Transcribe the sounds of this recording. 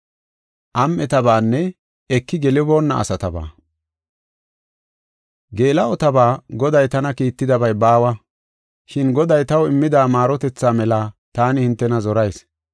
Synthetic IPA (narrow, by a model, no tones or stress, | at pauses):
ʔɐmʔɛt̪ɐbaːnːɛ | ɛkːɪɡɛlɪbo̞ːnːɐ̰ɐ̰sɐt̪ɐba̰ː | ɡe̞ːlɐɔt̪ɐbaːɡɔd̪ɐjt̪ɐnɐkiːt̪ːɪd̪ɐbɐjbaːwɐ | ʃɪnɡɔd̪ɐjt̪ɐwɪmːɪd̪aːmaːɾɔt̪ɛt͡sːaːmɛlaːt̪aːnɪhɪnt̪ːɛnɐzɔɾɐjs